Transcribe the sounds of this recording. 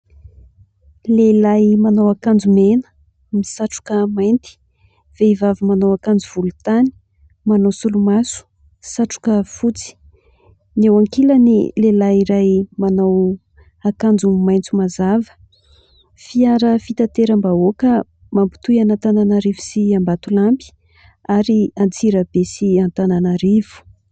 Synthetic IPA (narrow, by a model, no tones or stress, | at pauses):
lelajmanawakand͡zumenə̥ | misaʈ͡ʂu̥kəmajnt̪i̥ | v̥eivavəmanawakand͡zuv̥ulut̪ani̥ | manowsulumasu̥ | saʈ͡ʂu̥kəfut͡si̥ | newaŋkilənḭlelaiɾajmanaw | akand͡zumajnt͡sumazavə̥ | fiaɾəfit̪at̪eɾəmbaokə | mampi̥t̪ujanat̪ananaɾivu̥siambat̪ulampi̥ | aɾiant͡siɾəbesiant̪ananaɾivu̥